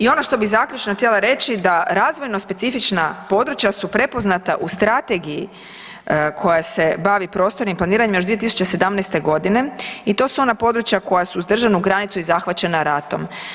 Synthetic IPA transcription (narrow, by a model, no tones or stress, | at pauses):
io̞no̞ʃt̪o̞bizakʎʲut͡ʃnoxt̪ʲjelaɾe̞t͡ɕid̪aɾaːzʋo̞jno̞spe̞t̪sifit͡ʃnapo̞d̪ɾut͡ʃjasupɾe̞po̞znat̪aʔust̪ɾat̪e̞ɡiji | kʰo̞jase̞baʋipɾo̞ːst̪o̞ɾnimplˠaniːɾaɲimjo̞ʒd̪ʋiet̪isu̥t͡ɕese̞d̪amnɛst̪e̞ɡo̞d̪ine̞it̪o̞suo̞napo̞d̪ɾut͡ʃjako̞jasuːzd̪r̩ʒanuɡɾanit̪suizaxʋat͡ɕe̞naɾat̪o̞̰m